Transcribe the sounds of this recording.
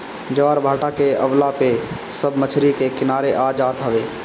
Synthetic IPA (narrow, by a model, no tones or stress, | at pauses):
d͡ʒəʋaːɾbʱaːʈakeəʋlape | səbʱmət͡ʃʰɾikekɪnaːɾeʔaːd͡ʒaːt̪ɦəʋeː